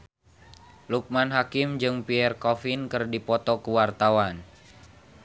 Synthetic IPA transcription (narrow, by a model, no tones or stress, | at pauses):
luk̚manɦakɪmd͡ʒɨŋpiɛrkɔfɪnkɨrdipɔt̪ɔkuwart̪awan